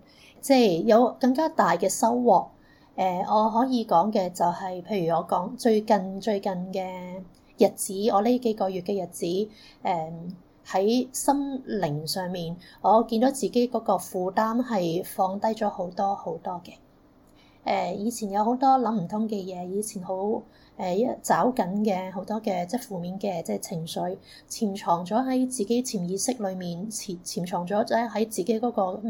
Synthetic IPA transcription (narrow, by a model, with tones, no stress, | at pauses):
t͡sɛː˥˩jjɐ˨˧wkɐ˧ŋkaː˥t̪aː˨jkɛː˧sɐ˥wːɔː˨k̚ | ʔɛː˨˧ɔː˨˧ɦɔː˨˥jiː˨˧kɔː˨˥ŋkɛː˧t͡sɐ˨whɐ˨jpʰe˧jɥyː˨˩ɔː˨˧kɔː˨˥ŋt͡ʃɵ˧ɥkɐ˨nt͡ʃɵ˧ɥkɐ˨nkɛː˧ | jɐ˨t̚t͡siː˨˥ɔː˨˧li˥ke˨˥kɔː˧jyː˨t̚kɛː˧jɐ˨˩t̚t͡siː˨˥ʔɛː˨˩ | hɐ˨˥jsɐ˥mlɪ˨˩ŋsœː˨ŋmiː˨nŋɔː˨˧kiː˧nd̪o˨˥wt͡siː˨ke˨˥jkɔː˨˥kɔː˧fuː˨˧t̪aː˥mhɐ˨jfɔː˨˧ŋt̪ɐ˥jt͡ʃɔː˨˥ho˨˥wt̪ɔː˥ho˨˥wt̪ɔː˥kɛː˧ | ʔɛː˨˩jiː˨˧t͡sʰiː˨˩njɐ˨˧who˨˥wt̪ɔː˥lɐ˨˥m̩˨˩t̪ʰʊ˨˥ŋkɛː˧jɛː˨˧jiː˨˧t͡sʰiː˨˩nho˨˥w | ʔɛː˨˩˥t͡saː˨˥wkɐ˨˥nkɛː˧ɦo˨˥wt̪ɔː˥kɛː˧t͡sɛː˥fuː˨miː˨˥nkɛː˧t͡sɛː˥˧t͡sʰɪ˨˩ŋsɵ˨˧ɥ | t͡sʰiː˨˩mt͡ʃʰɔː˨˩ŋt͡sɔː˨˥ɦɐ˨˥jt͡siː˨ke˨˥jt͡sʰiː˨˩mjiː˨˥sɪ˥k̚lɵ˨˧ɥmiː˨nʰi˨˩t͡sʰiː˨˩mt͡ʃʰɔː˨˩ŋt͡sɔː˨˥ɛ˥ɦɐ˨˥jt͡siː˨˩ke˨˥kɔː˨˥kɔː˧